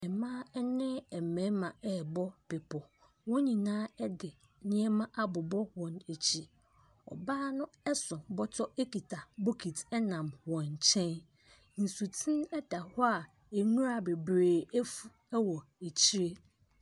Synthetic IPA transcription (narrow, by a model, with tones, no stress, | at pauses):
ɛ˨mãː˦ɛ˦nɪ̃˦ɛ˨mɛ̃˨˦mã˨ɛ˦˨bɔ˦pɪ˨pʰɔ˨ | wɔ̃˦ɲĩ˨nãː˦ɛ˦dɪ˨ | nɪ̃˦ɛ˦mã˦ʔa˦bʊ˨bɔ˦wɔ̃˨ne˨t͡ɕʰi˨ | ɔ̰˨baː˦nʊ̃˦ɛ˦sʊ̃˨bɔ˦tʰɔ˦e˦ki˨tʰa˨bo˦kʰi˨tɛ˦nã˨mwɔ̃˨ɲ˨t͡ɕʰɛ̃˦n | n̩˨su˨tʰĩ˦nɛ˦da˨hɔ˦a˨ | e˨ŋũ˦ɾa˨be˨bɾeː˨ɛ˦fu˨ | ɛ˦wɔ˨e˨t͡ɕʰi˦ɾe˦